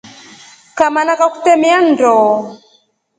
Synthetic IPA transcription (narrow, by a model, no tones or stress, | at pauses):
kamanakaku̥tɛmiandɔ